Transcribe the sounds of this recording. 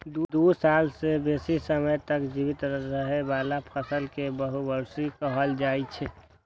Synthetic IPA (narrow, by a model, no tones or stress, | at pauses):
d̪ud̪usalsebesisəməjt̪əkd͡ʒibit̪ɾəɾəɦebaːlapʰəsəlkebəɦubəɾsikəɦəld͡ʒaːit͡ʃʰɛ